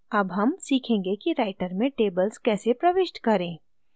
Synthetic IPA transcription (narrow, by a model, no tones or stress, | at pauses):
ɐbɦɐmsiːkʰẽːŋɡekiɾaːɪʈəɾmẽʈeːbəlskɛːsepɾɐʋɪʃʈkɐɾẽː